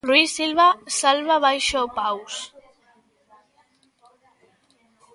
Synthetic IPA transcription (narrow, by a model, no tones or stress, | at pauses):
rwisilβasalβaβajʃopaws